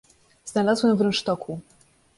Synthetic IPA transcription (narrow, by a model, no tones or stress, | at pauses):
z̥nalazwɛmvɾɛnʂt̪ɔkʰu